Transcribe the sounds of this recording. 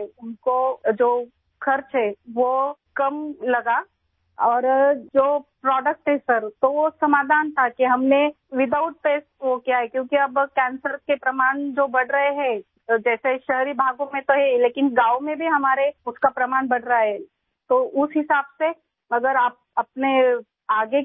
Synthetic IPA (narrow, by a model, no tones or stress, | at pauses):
ʊnkod͡ʒoː | kʰɐɾt͡ʃɦɛːʋokɐmlɐɡa | ɔːɾd͡ʒoːpɾɔːɖək̚ʈɦɛsɐɾt̪oʋosɐmaːd̪ʱaːnt̪ʰakiɦɐmne | ʋɪd̪aːʊʈ̚peːsʋokijaɦɛkjõːkiɐbkɛ̃ːnsəɾkepɾɐmaːɳd͡ʒoːbɐɽɾɐɦeɦɛ̃ | d͡ʒɛːseʃɐɦɾibʱaːɡõmẽt̪oɦɛleːkɪnɡaːomẽbʱiɦɐmaːɾeʊskapɾɐmaːnbɐɽɾaaɦɛ | t̪oʔʊsɦɪsaːbse | ɐɡəɾaːp̚ɐpne | aːɡe